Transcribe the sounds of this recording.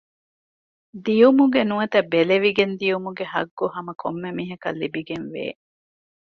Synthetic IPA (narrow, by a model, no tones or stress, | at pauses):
d̪ijumuɡenuɐt̪ɐbeleʋiɡend̪ijumuɡeɦɐ̰ɡːoɦɐmɐkʰomːemiːɦɐkɐ̰lːibiɡenʋḛː